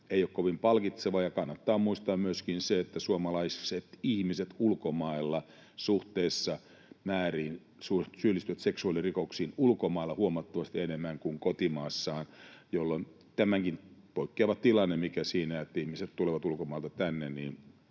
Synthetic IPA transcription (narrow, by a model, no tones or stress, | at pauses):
eijokkoʋimpɑlkit̪seʋɑjɑkɑnːɑt̪ːɑːmuist̪ɑːmmyøskinseet̪ːæsuomɑlɑisset̪ihmiset̪ulkomɑelːɑ | suht̪eːsːɑ | mæːriːn | susylːˑist̪yʋæt̪seksuɑlirikoksiːnulkomɑilːɑhuomɑt̪ːɑʋɑst̪ienemːæŋkuŋkot̪imɑːsːɑːnjolːon | t̪æmæŋkinpoikːeːʋɑt̪t̪ilɑnːemikæsiːnæet̪ːæihmiset̪t̪uleʋɑt̪ulkomɑˑilt̪ɑt̪ænːenniːn